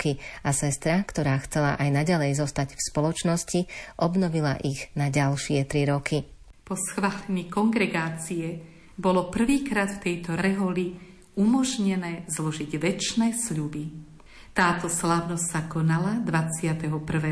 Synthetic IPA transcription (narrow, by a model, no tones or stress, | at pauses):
kiasɛst̪ɾakt̪ɔɾaːxt͡sɛlaʔajnaɟalɛjzɔst̪aɟfspɔlɔt͡ʃnɔsciʔɔbnɔʋila̰ʔiɣnaɟalʃɪɛt̪ɾiɾɔkʰi | pɔsxʋaːlɛɲikɔŋɡɾɛɡaːt͡siɛ | bɔlɔpr̩ʋiːkɾaːt̪ft̪ɛjt̪ɔɾɛɦɔli | umɔʒɲɛnɛːzlɔʒiɟʋɛt͡ʃnɛːsʎubi | t̪aːt̪ɔslaːʊnɔssakɔnalad̪ʋat͡sɪat̪ɛɦɔpr̩ʋɛː